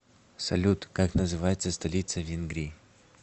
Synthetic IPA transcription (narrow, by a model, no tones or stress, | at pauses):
sɐ̰lʲut̪kaknəzɨvajɪt̪səst̪ɐlʲit̪səvʲɪnɡɾʲi